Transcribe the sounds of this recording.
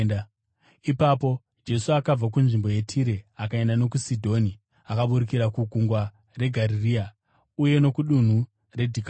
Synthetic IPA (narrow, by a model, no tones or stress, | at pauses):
ipapo̞ | d͡ʒe̞suakab͡vak̬unʐimbo̞je̞tʰiɾeakaendano̞k̬usidʱo̞ni | akaɓuɾikiɾakuɡʱuŋɡwa | re̞ɡʱaɾiria | uje̞no̞kuɗun̤u | re̞dʱik